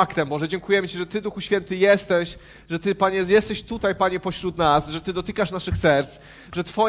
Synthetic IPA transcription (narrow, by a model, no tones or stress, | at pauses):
akt̪ɛmbɔʐɛd͡ʑɛŋkujɛmt͡ɕiʐɛt̪ɘd̪uxuɕfʲjɛnt̪ɘjɛst̪ɛɕ | ʐɛt̪ɘpaɲɛjɛst̪ɛɕt̪ut̪ajpaɲɛpɔɕɾut̪nasʐɛt̪ɘd̪ɔt̪ɘkaʂnaʂɘxsɛɾt̪s | ʐɛt̪fɔ